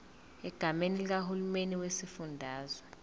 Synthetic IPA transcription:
ɛɡ̥ʱamenilik̬ahulumeniwesifundʱaːzwa

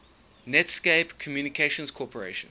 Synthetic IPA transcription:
nɛtskeɪpkʰɔmjunikʰeʃə̃nskʰɔpʰəɹḛɪʃə̃n

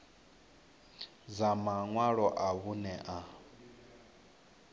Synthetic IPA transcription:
d͡zamaŋwaɺɔʔaβunɛʔa

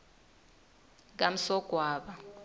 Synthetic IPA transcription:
k̬am̩sɔɡ̥ʱwaːɓa

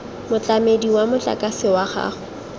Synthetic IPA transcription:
mʊt͡ɬʼamediwamʊt͡ɬʼa̰kʼasɪwaχa̰ːχʊ

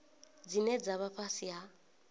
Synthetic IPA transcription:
d͡zinɛd͡zaβaɸʰasiɦa

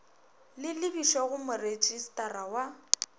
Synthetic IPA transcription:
lɪlɪbiʃɔɣʊmʊred͡ʒʼistʼaɾawa

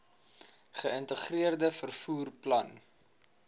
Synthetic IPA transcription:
χəəntəχriərdəfərfuːrplɐn

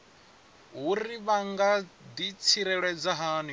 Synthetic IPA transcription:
ɦuriβaŋɡad̪it͡sʰiɾɛɺwɛd͡zaɦaːni

